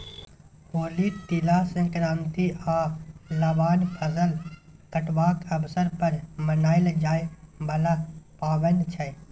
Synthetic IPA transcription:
hoːliːt̪ilaːsẽkɾãːnt̪iaːlɐbaːnpʰəzəlkəʈʋaːkʰɐbsəɾpəɾmənaːɪld͡ʒaːebɐlaːpaːʋənt͡ʃʰɐ

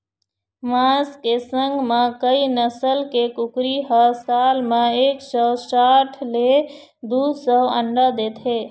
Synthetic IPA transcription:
mãskesə̃ŋɡmekəinəsəlkekukɾiɦəsalmeeksəsaʈʰle | d̪usəwə̰ɳɖəd̪et̪ʰɦe

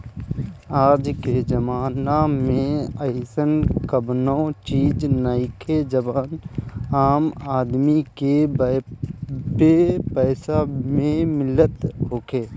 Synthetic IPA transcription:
aːd͡ʒked͡ʒəmaːnamẽəɪsənkəbnot͡ʃiːd͡ʒnaɪkʰed͡ʒəbaːnaːmaːd̪mike | ʈepəːsamẽmɪlət̪ɦoːkʰeː

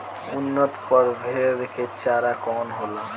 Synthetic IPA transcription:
ʊnːət̪pəɾbʱed̪eket͡ʃaːɾakɔːnɦoːla

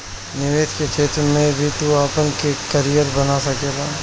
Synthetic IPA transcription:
nɪʋeːt̪ket͡ʃeːt̪ɾmẽbʱit̪uaːpənkekəɾijəɾbɐnasɐkeːɡaː

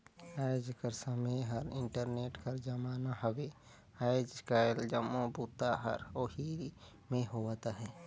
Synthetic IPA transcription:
aːjd͡ʒkəɾsəməjɦəɾɪ̰̃ɳʈəɾneːʈkɐɾd͡ʒɐmaːnahɐwe | aːjd͡ʒskaːeld͡ʒɐmːobuːt̪aɦɐ̰ɾoːhi | mẽɦoaːt̪aɦɛː

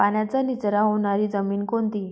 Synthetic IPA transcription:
panjat͡sanit͡sɾaɦoɽ̃aɾiːd͡zəmiːnkont̪iː

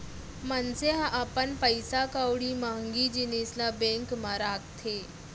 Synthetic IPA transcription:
manseɦaʔapənpəjsakawɽiːmaŋɡiːd͡ʑineslabẽŋkmaɾakt̪ʰe

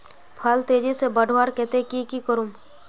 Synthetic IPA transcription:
pʰalt̪eːd͡ʒisebəɖʱʋaːɾkɛt̪ekikikəɾum

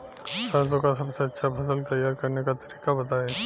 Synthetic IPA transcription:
sazõkasɐbseɐtːʃʰapʰɐsəlt̪ɐjːaːɾkɐɾnekat̪ɐɾiːkabɐt̪aːeː

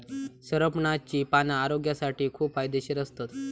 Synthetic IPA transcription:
səɾəpɳat͡ɕiːpanaːɾoɡjasaʈiːkʰuːpfajd̪eɕiɾəst̪at̪

